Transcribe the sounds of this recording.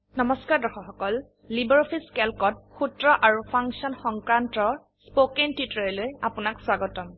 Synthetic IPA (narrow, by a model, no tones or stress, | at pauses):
nɔmɔskaɹdɔxɔxɔkɔlː | ibɛɹɔpʰiskɛlkɔt̚xutɹɔʔaɹupʰaŋksiɔnxɔŋkɹantɔɹ | spokentwitɹɔlojapunakswaɡɔtɔm